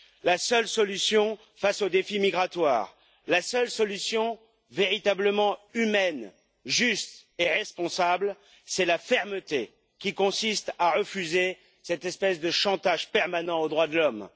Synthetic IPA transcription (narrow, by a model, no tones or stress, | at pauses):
lasœlsɔlysjɔ̃ | fasod̪efimiɡʁat̪wa̰ːʁ | lasœlsɔlysjɔ̃ | veʁit̪abləmɑ̃ymɛn | ʒyst̪eʁɛspɔ̃sabl | sɛlafɛʁmət̪e | kʲikɔ̃sist̪aʁəfyze | sɛt̪ɛspɛsd̪əʃɑ̃t̪aʒpɛʁmanɑ̃od̪ʁwad̪əlɔm